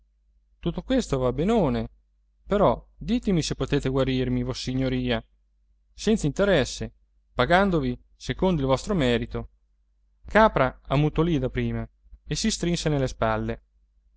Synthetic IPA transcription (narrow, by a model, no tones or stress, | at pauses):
t̪ut̪ːokwest̪ovabenoːne | peɾɔd̪iːt̪emisepːot̪eːt̪eɡwaɾirmivosːiɲːoɾiːa | sɛnt̪saint̪eɾɛsːe | paɡand̪ovi | sekond̪oilvɔst̪ɾomɛːɾit̪o | kaːpɾaamːut̪olid̪apɾiːma | esist̪ɾinsenelːespalːe